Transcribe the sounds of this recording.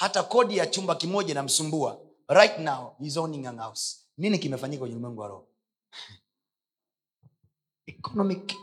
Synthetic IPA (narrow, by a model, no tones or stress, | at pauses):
hatakɔɗijat͡ʃumbakimɔʄanam̩sumbua | ɾajtnawizɔnĩŋanaws | ninikimɛfaɲikakwɛɲɛnimwɛŋɡua̰ɾɔ̰ | ɛkɔnɔmik